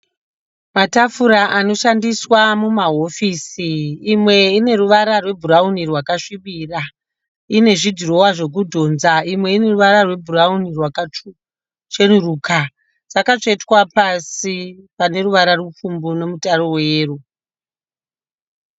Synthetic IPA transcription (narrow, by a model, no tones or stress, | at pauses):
matafuɾaʔano̞ʃandiswamumaɦo̞fisiːmwe̞ine̞ruʋaɾarwe̞bʱuraunirwakaʂiɓira | ine̞ʐidʱiro̞waʐe̞k̬udʱo̞nzaimwe̞ine̞ruʋaɾarwe̞bʱuraunirwaka | t͡ʃenuruːka | t͡sakat͡ʂeitwapasipane̞ɾuʋaɾarup͡fumbuno̞mutaɾoweeːru